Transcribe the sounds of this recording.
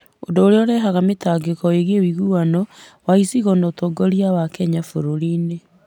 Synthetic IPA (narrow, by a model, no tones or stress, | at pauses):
odoːɾeɔɾɛɦaɣametaːɡekɔeɣewiɣuanɔ | waisiɣɔnɔtoɡɔɾjawakɛɲafoɾoɾiːne